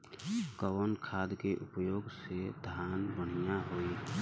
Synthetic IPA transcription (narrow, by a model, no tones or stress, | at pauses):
kəwənkʰaːd̪keʔʊpjoːɡsed̪ʱaːnbəɽ̤ijaɦoi